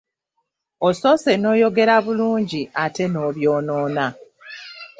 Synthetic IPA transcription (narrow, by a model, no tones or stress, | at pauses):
oso̞se̞no̞ːjo̞ɡe̞ɾaβuluːɲɟiʔate̞no̞ːβjo̞ːno̞ːna